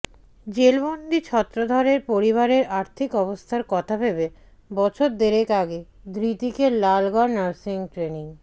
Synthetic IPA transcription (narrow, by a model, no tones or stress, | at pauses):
d͡ʑelbond̪ʱit͡ɕʰɔt̪ːɾod̪ʱɔɾeɾpoɾiβaɾeɾaɾt̪ʰikɔbost̪ʰaɾkɔt̪ʰabebe | bɔt͡ɕʰoɾd̪eɾekaɡed̪ɾit̪ikelalɡɔɾnaɾsiŋʈɾeniŋ